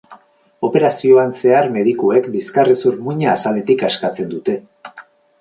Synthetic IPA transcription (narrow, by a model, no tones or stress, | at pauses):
o̞pe̞ɾasio̞anse̞aɾme̞ðikue̞kbiskaresuɾmuɲaːsale̞t̪ikaskat͡se̞nd̪ut̪e̞